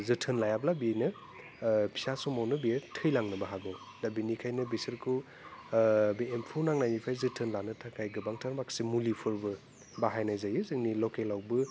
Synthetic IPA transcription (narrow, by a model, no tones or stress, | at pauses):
zɯtʰɯnlajablabinɯ | pʰi̥sasɔmawnɯbitʰɯjlaŋnɯbaɦaɡɔw | dabinikʰajnɯbesɯɾkʰɯw | biempʰunaŋnajnipʰajzɯtʰɯnlanɯtʰakʰajɡɯbaŋtʰaɾmaksimulipʰɯɾbɯ | baɦajnajzajɯzɯŋnilɔkelawbɯ